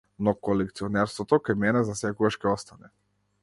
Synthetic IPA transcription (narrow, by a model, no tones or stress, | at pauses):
nɔkɔlɛk̚t̪siɔnɛɾst̪vɔt̪ɔkajmɛnɛzasɛkɔɡaʃkɛɔst̪anɛ